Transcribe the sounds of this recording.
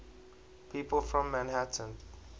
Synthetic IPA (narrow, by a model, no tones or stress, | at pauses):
pʰipʰəl̩ˠfɹɔ̃mːɛ̃nhatə̃n